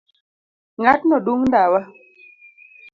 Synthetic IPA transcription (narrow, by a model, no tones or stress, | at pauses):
ŋatnɔduŋndawa